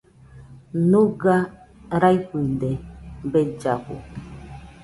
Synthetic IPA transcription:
nũɡa | ɾajɸid̪ebed͡ʒakṵ

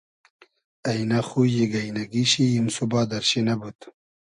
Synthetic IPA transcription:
ɐjnaxujeɡɐjnɐɡiɕijimsubaːd̪ɐɾɕenɐbut̪

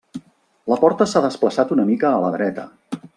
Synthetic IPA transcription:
ləpɔɾt̪əsaðəspləsat̪unəmikəːləðɾɛt̪ə

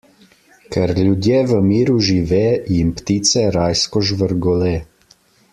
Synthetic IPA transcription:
kɛɾlʲjud̪jeːʋəmiːɾuʒiʋɛːjimpt̪iːt̪sɛɾaːjskɔʒʋəɾɡɔlɛː

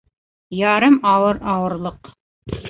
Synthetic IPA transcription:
jɑɾɤmɑwɤɾɑwɤ̆ɾlˠɤq

